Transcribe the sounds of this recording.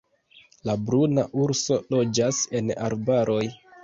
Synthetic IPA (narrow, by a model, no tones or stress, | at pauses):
labɾunaʔuɾso̞lo̞d͡ʒase̞na̰ɾbaɾʔo̞j